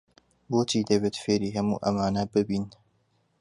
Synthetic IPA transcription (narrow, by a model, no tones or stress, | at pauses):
boːt͡ʃiːd̪ɐβeːt̪feːɾiːɦɐmṵːʔɐmaːnɐbɨbiːn